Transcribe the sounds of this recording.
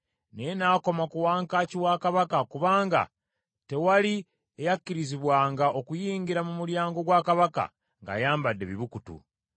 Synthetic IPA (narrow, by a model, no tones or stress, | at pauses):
nenaːko̞makuwaːŋkaːciwaːkaβakakuβaːŋɡa̰ | te̞wali | ejakːiɾiziβwaːŋɡao̞kujiːŋɡiɾamumuɾjaːŋɡo̞ɡwaːkaβaka̰ | ŋɡa̰jaːmbadːe̞βiβukutṵ